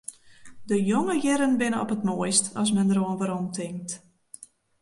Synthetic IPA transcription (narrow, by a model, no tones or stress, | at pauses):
dəjoŋəjɪɾənbɪnəɔpətmoəjstɔs̬mɛndəɾoənvəɾɔntʰɪŋk̚t